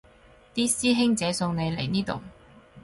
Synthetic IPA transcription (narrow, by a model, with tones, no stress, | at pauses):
t̪iː˥siː˥ɦɪ˥ŋt͡sɛː˨˥sʊ˧ŋne˨˧jle˨˩jniː˥t̪ʊ̰˨˩ŋ